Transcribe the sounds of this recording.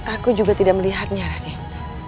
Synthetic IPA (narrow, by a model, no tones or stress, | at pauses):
akud͡ʒuɡat̪idak̚məliɦat̪̚ɲaɾadi